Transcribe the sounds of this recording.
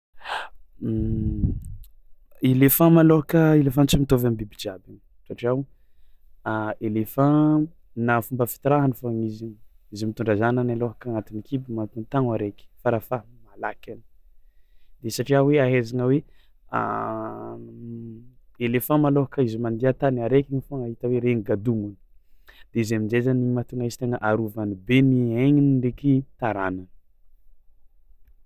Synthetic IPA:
elefãmaloɦakəelefãnt͡simit̪ovambibid͡ʒabin | saʈ͡ʂiaw | elefã | nafumbəfi̥t̪iɾaɦənifaɲiziɲ | izimit̪uɳɖ͡ʐazananaloɦakaŋat̪inikʰibimant̪unt̪aŋwaɾeki̥faɾafamala̰kʲani̥ | d̪̥esaʈ͡ʂiaweaɦezaŋəwe | a̰ | elefãmaloɦakəizimand̪iat̪anaɾekʲiŋifoŋaɦit̪əweɾeŋiɡad̪umuni̥d̪̥eizemind͡ʒezanimat̪uŋaiz̥t̪eŋəʔaɾuvanibenieŋinidekit̪aɾananə̥

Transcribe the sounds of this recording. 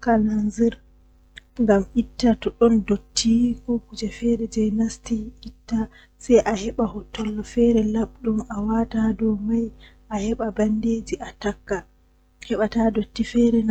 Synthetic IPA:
kalanziɾ | ŋɡamitːatɔɗɔndotʰːikɔkud͡ʒɛfɛɾɛd͡ʒɛjnastiitːa | sajʔahɛɓahɔtʰːɔlːɔfɛɾɛlaɓ̚ɗumawatadɔmajʔahɛɓabandeːd͡ʒiʔatakːa | hɛɓatadotːifɛɾɛn

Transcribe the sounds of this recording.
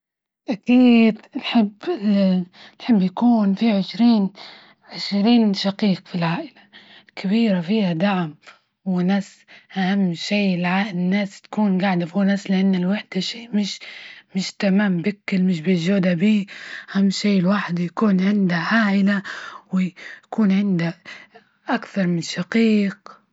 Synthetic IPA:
ʔakiːd̪nħɪbː | lħɪbːjakuːnfiʕɪʃɾiːn | ʕɪʃɾiːnʃaqiːqfilʕaːʔɪlakʰabiːɾafiːhad̪aʕm | wɪnaːs | ʔahamːʃiːɪlʕaːʔnːaːst̪ḁkuːnɡaʕd̪afuːnaːslɪʔanːɪlwaħd̪aʃiːmɪʃmɪʃt̪amaːmbɪkːɪlmɪʃbɪʒoːd̪abiːʔʔahamːʃeːɪlwaħd̪jakuːnʕɪnd̪aʕaːʔɪlawɪakuːnʕɪnd̪a | ʔakθɑɾˤmɪnʃaqiːq

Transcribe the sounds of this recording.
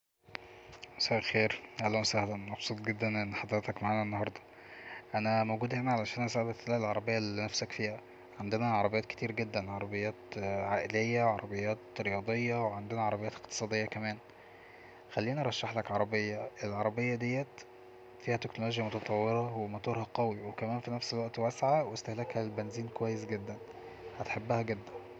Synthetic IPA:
sæːlxeːɾʔælːæmsæːhlæmɑbsˤuːt̪̚ˤɡed̪ːænʔenːħɑd̪ɾet̪ækmaʕaːnæʔenːohɑɾˤd̪ˤɑ | ʔænæmowɡuːd̪hemæʕalæʃæːnʔæsæʕbæt̪elhælʕɑɾˤɑbejːælinæfsækfiːhæ | ʕand̪enæʕɑɾˤɑbejːæːt̪ke̥t̪iːɾɡed̪ːænʕɑɾˤɑbejːæːt̪ʕaːʔelejːæʕɑɾˤɑbejːæːt̪ɾejɑːd̪ˤejːɑweʕand̪enæʕɑɾˤɑbejæːt̪eqt̪e̥sˤɑːd̪ejːɑkæmæːn | xælːiːniʔɑɾˤɑʃːaħlækʕɑɾˤɑbejːɑʔelʕɑɾˤɑbejːɑd̪ejːæt̪ | fiːhæt̪eknoloːʒjæmot̪ɑt̪ˤɑwːeɾˤɑwemɑt̪ɑːɾˤhɑqɑwiwekæmæːnfinæfselwæʔt̪wæsʕawest̪æhlækhælelbenziːnkowæjːesɡed̪ːæn | hæt̪ħebːæhæɡed̪ːæn

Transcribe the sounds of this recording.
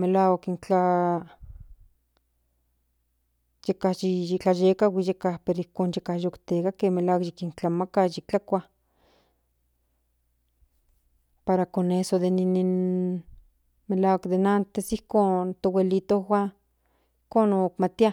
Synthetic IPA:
melawakint͡ɬa | jekahjiit͡ɬajekawijekahpeɾoihkoːnjekajokt̪ekakeːmelawakjikint͡ɬamakajik̚t͡ɬakʷa | paɾakonesod̪eninin | melawakd̪enant̪esihkont̪owelit̪ohwa | i̥hkoːnokmat̪ia

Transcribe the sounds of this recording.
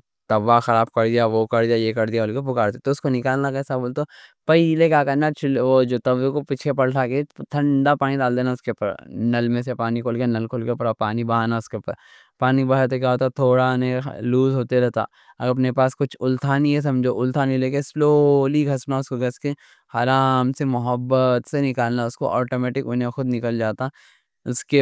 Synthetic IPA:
t̪ɐʋaxɐɾaːb̚kɐɾd̪ijaʋokɐɾd̪ijajekɐɾd̪ijaʊlkop̬ʊkaːɾt̪et̪oʊskonɪkaːlnakɛːsaboːlt̪opɐlekʲjaːkɐɾnat͡ʃʰlʋod͡ʒot̪ɐʋekopit͡ʃʰepɐɽʈʰaket̪ʰɐ̃ɳɖapaːnid̪aːld̪eːnaʊskepɐ̰ɾnɐlmẽs̬epaːnikʰoːlkeanɐlkʰoːlkepɐɾapaːnibɐɦaːnaʊskepɐ̰ɾ | paːnibɐɦaɾt̪̬okjaːɦoːt̪at̪ʰoːɽanḛ̃luːzɦoːt̪eɾɛɦt̪a̰ː | ɐ̰ɐpnepaːskʊt͡ʃʰʊlt̪ʰaːniɦɛs̬ɐ̃md͡ʒʱoʔʊlt̪ʰaːnileːkesloːliɡʱɐsnaʊskoɡʱɐskẽ | haːɾaːmsemʊɦəbːət̪senɪkaːlnaʊsko̰ʔɔːʈoːmɛːʈɪkʊnẽxʊd̪nɪkəld͡ʒaːt̪a | ʊske

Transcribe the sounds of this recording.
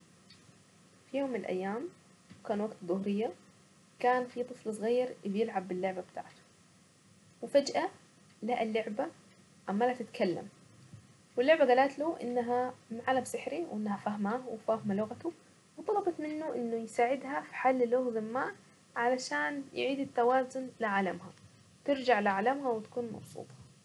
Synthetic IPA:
fijoːmːɪnɪlʔa̰jːaːm | wkaːnwaɡt̪ðˤʊhɾɪjːa | kaːnfit̪ˤɨflsˤɣiːɾɪbjɪlʕabːɪlːʊʕbabt̪a̰ːʕt̪ʊ̥ | wɪfad͡ʒʔa | laʔɪlːʊʕba | ʔamːalat̪ɪt̪kʰalːa̰m | wɪlːʊʕbaɡalaːt̪luːʔɪ̰nːaɦamɪʕaːlamsɪħɾiwʔɪnːahafaɦmawɪfahmalʊɣat̪ʊ | wt̪ˤɑlɑbɑt̪mɪnːʊʔɪnːʊjsaːʕɪd̪ɦafi̥ħalːɪloːɣzɪmːaːʔ | ʕalaʃaːnj̰ʕiːd̪ɪt̪ːawaːzʊnlɪʕalamha | t̪ɪɾd͡ʒaʕlɪʕalamɦawɪt̪ḁkuːnmɑ̰bsˤṵːt̪ˤɑ̥

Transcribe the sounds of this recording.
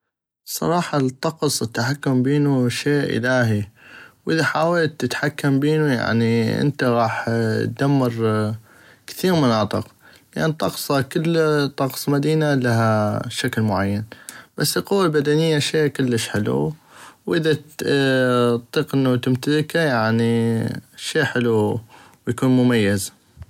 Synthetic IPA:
sˤɑ̰ɾˤɑːħɑt̪ˤːɑqsˤɪt̪ːaħakːʊmbeːnuʃeːʔʔɪ̰laːɦiwʔɪðaħaːwalt̪ːɪt̪ħakːambeːnuja̰ʕniʔɪ̰nt̪aɣɑːħt̪̚d̪amːɑɾ | kθiːɾmʊnɑːt̪ˤɨqlɪʔant̪ˤːɑqsˤɑkɪlːt̪ˤɑqsˤmad̪iːnalaɦaʃaklmʊʕajːanb̥asːɪlqʊwːalbad̪anɪjːaʃeːkɪlːɪʃħɪlṵwʔɪða | t̪ˤiːqʔɪnːat̪ɪmt̪alɪkajaʕni | ʃeːħɪlu | wjakuːnmʊmajːaz

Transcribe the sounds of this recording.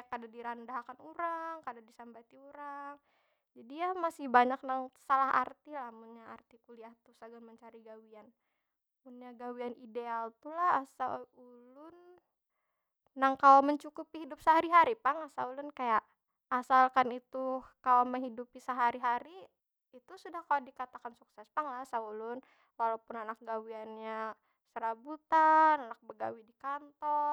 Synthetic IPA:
kadadiɾandaɦakanuɾaŋkadadisambat̪iuɾaŋ | d͡ʒadijamasɪhbaɲak̚naŋsalaɦa̰rt̪ilahmunɲaa̰rt̪ikuliaht̪usaɡanməɲt͡ʃaɾiɡawian | munɲaɡawianidealt̪ulahasaulʊn | aŋkalaməɲt͡ʃukupiɦidʊp̚səɦaɾiɦaɾipaŋasaulʊnkajaʔ | asalkanit̪ukalaməŋɦidupisəɦaɾiɦaɾi | it̪usudahkaladikat̪akansuksɛspaŋlaasaulʊn | walapʊnanak̚ɡawianɲa | səɾabut̪ananak̚bəɡa̰widikant̪ɔ

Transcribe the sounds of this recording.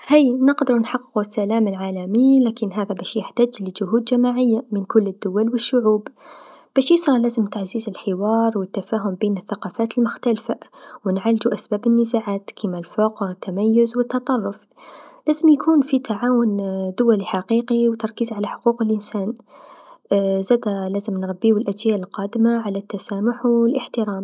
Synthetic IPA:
hijnɪqd̪ɪɾunħɑqːɪ̥qusːalaːmɪlʕaːlamilaːkɪnɦaːðabæːʃjɪħt̪aːd͡ʒlɪd͡ʒʊɦuːd̪d͡ʒamaʕɪjːamɪnkʊlːɪd̪ːʊwalwɪʃːʊʕuːbb̥æːʃjɪsɾˤɑlæːzɪmt̪aʕziːzɪlħɪwɑːɾˤwɪt̪ːafaːɦʊmbeːnɪθːaqɑːfaːt̪əlmʊxt̪alfawnʕald͡ʒuʔæsbæːbənːəzaʕaːt̪kʰimalfɑqɾˤɪt̪ːamæjːʊzwət̪ːɑt̪ˤɑrˤːʊf | læːzəmjkʰuːnfit̪aʕaːwʊnd̪ʊwæliħaqiːqiwt̪ɑɾˤkiːzʕalaħʊ̥quːqəlʔɪnsæːn | zæːd̪alæːzəmnɾˤɑbːiəlʔæd͡ʒjaːʔlqɑːd̪ɪmaʕalat̪ːasaːmʊħɪlʔəħt̪əɾaːm

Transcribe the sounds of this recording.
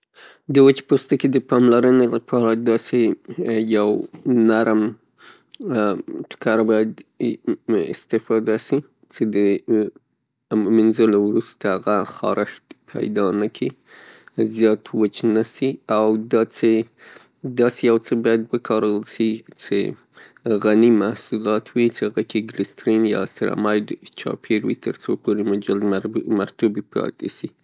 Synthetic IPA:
d̪əwət͡ʃpost̪aked̪əpɑmlaɾənelapʰɑɾad̪ɑsejawnaɾm | ʈʊ̥kaɾabɑjad̪ | ɪ̰st̪ɪfɑd̪asi | t͡ʃed̪ə | mɪnzolawɾust̪aaɣaxɑ̰ɾʔɪxt̪pʰa̰jd̪ɑnakʰi | zjɑt̪wət͡ʃnasiawd̪ɑt͡se | d̪ɑsejawt͡səbɑjad̪wəkʰɑɾəlsit͡sḛ | ɣanimahsulɑt̪ʰwit͡seaɣakeɡlɪst̪ɾinjɑ̰st̪ɾa̰mɑjɖt͡ʃɑ̰pʰeɾwḭt̪ʰəɾt͡sopoɾemʊd͡ʒalmaɾt̪ubipɑ̰t̪esi

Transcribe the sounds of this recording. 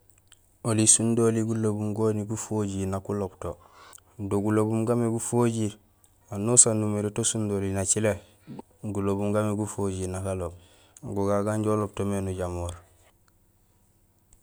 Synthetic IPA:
olisundoliɡulobumɡoniɡufoɟinakulobto | doɡulobumɡameɡufoɟiɾ | anusanumeɾotosundolinat͡ʃile | ɡulobumɡameɡufoɟinakalob̚ | ɡuɡaɡaɲɟolop̚tomenuɟamoɾ

